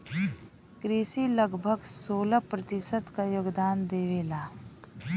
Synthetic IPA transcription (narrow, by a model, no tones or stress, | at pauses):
kɾiːʃiləɡbʱəɡsoːlapɾɐt̪ɪsət̪kajoːɡd̪aːnd̪eːʋeːlaː